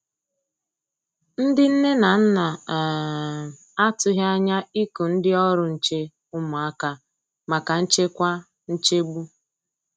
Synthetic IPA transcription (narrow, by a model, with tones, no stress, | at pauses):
n̩˦dɪ˦n̩˦ne˦na˨n̩˦na˨ | a˦tʊ˦ɦa˦ɲa˦i˦ku˨n̩˦dɪ˦ɔ˦ɾʊ˨n̩˨t͡ʃe˦ | ʊ˦mʊ˨a˦ka˦ | ma˨ka˨n̩˦t͡ʃe˦kʷa˦ | n̩˦t͡ʃe˦ɡ͡bu˦